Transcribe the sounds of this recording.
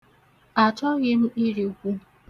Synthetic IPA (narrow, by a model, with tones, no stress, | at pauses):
a˨t͡ʃɔ˦ɣɪ˦m̩˦i˦ɾi˨kʷu˦